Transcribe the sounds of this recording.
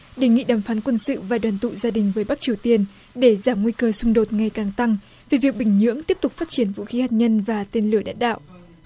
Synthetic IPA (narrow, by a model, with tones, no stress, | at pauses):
ɗe˨˩ŋḭ˧˨ɗaː˨˩mfaː˨˦nkwə˧nsɨ̰˧˨vaː˨˩ɗwaː˨˩nt̪ṵ˧˨zaː˧ɗï˨˩ŋ̟vəː˨˦jɓa˦˥k̚t͡ɕi˨˩əwt̪i˧ən | ɗe˧˩zaː˧˩mŋwi˧kəː˧sʊ˧ŋ͡mɗo˨˩t̚ŋa˨˩jkaː˨˩ŋt̪a˧ŋ | ve˨˩vi˨˩ək̚ɓï˧˩ŋ̟ɲɨ̰˧˥əŋt̪i˦˥əp̚t̪ʊ˨˩k͡p̚faː˦˥t̚t͡ɕi˧˩ənvṵ˧˥xi˨˦haː˨˩t̚ɲə˧nvaː˨˩t̪e˧nlɨ˧˩əɗa̰ː˧˥˨nɗa̰ː˧˨wʔ